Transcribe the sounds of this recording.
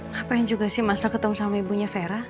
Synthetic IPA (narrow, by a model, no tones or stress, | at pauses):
apajaŋd͡ʒuɡasɪhmasalkət̪əmusamaibuɲafeɾa